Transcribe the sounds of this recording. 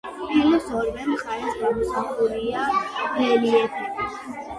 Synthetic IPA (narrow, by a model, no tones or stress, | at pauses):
kʰɛlɔsɔɾvɛmχaɾɛsɡamɔsaχuɾiamt̪ʰɛliɛt̪ʰaki